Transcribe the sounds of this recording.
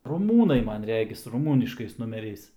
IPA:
rʊˈmuːnɐɪ ˈmɐn ˈrʲæːɡʲɪs rʊˈmuːnʲɪʃkɐɪs nʊmʲɛˈrʲɛɪs

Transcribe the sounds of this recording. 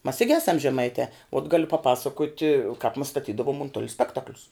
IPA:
mɐs ˈɪɡʲɪ ˈæːsɐm ʒʲɛˈmɐɪtʲɛ oːt ˈɡɑːlʲʊ pɐˈpɑːsɐkoːtʲɪ kɐɪp mɐs stɐˈtʲiːdɐʋʊm ʊnˈtʊlʲɛ ˈsʲpʲæːktɐklʲʊs

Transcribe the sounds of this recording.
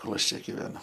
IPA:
ˈkoːlˠ ˈɐʃ ˈt͡ʃʲɛ ɡʲɪʋʲɛˈnʊ

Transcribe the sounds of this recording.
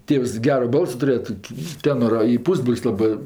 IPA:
ˈtʲeːws ˈɡʲæːroː ˈbɐlˠsoː tʊˈrʲeːjɛ ˈtoːkʲɪ ˈtʲeːnoːrɐ ɪ ˈpuːzbroːlʲsʲ ˈlˠɑːbɜ

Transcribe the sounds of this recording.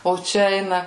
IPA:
oː ˈt͡ʃʲɛ ˈɛɪnɐ

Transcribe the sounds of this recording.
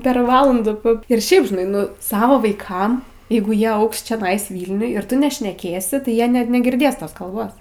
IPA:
pʲɛr ˈʋɑːlˠɐndʊ p ɪr ˈʃʲɛɪp ʒʲɪˈnɐɪ ˈnʊ ˈsɑːʋoː ʋɐɪˈkɐm ˈjɛɪɡʊ ˈjiɛ ˈɐʊks t͡ʃʲɛˈnɐɪs ˈʋʲiːlʲnʲʊj ɪr ˈtʊ nʲɛʃʲnʲɛˈkʲeːsʲɪ tɐɪ ˈjiɛ nʲɛ nʲɛɡʲɪrʲˈdʲeːs ˈtoːs kɐlˠˈboːs

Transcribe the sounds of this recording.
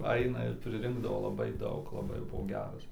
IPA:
ˈɐɪnɐ ɪr pʲrʲɪˈrʲɪŋɡdɐʋoː lˠɐˈbɐɪ ˈdɐʊk lˠɐˈbɐɪ jɛʊ ˈbʊʋoː ˈɡʲæːrɐs

